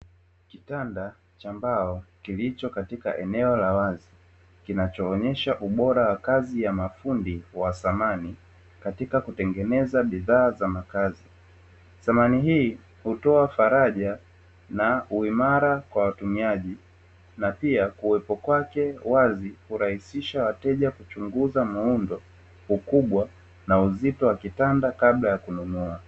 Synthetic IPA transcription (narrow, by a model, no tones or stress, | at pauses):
kitanda | t͡ʃambaɔkilit͡ʃɔkatika̰ʔɛnɛɔlawazi | kinat͡ʃɔːɲɛʃaʔuɓɔɾawakazijamafundiwasamani | katikakutɛŋɡɛnɛzaɓiðaːzamakazi | θamaniɦiː | hutɔafaɾaʄa | nauimaɾakwawatumiaʄi | napiakuɛpɔkwakɛwazihuɾahisiʃawatɛʄakut͡ʃuŋɡuzamaundɔ | hukuɓwa | nauzitɔwakitandakaɓlajakununua